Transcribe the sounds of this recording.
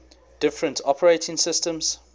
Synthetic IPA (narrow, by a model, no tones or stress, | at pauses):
d̥ɪfɹə̃ntʰɔpəɹeɪtɪ̃ŋsɪstə̃mz̥